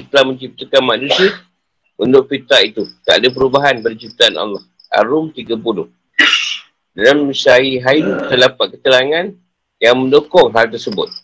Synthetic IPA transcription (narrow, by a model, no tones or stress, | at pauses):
t̪əlahmə̃ɲt͡ʃip̚t̪akanmanũsia | unt̪ʊʔ̚fit̪aʔit̪ut̪aʔadap̬əɾubaɦanbərd͡ʒip̚t̪aana̰lːɑh | a̰ɾʊmt̪iɡapulʊh | dalamːisaiɦait̪əlapat̪̚kət̪əlaŋãn | jaŋmə̃ndokɔŋɦalt̪ərsəbʊ̰t̪̚